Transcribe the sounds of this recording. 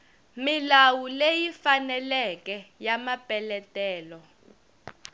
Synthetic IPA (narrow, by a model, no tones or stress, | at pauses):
milawulejifanɛlɛkɛjamapʼɛlɛtʼɛːlɔ